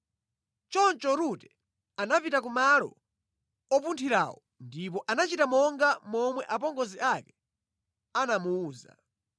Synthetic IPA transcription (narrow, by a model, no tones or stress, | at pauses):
t͡ʃɔnt͡ʃɔɾutɛ | anapitak̬umalɔ̰ | ɔpuntʰiɾa̰wɔ | ndip̬ɔʔanat͡ʃitamɔŋɡamɔmwɛʔapɔŋɡɔziʔakɛ | anamuuːza̰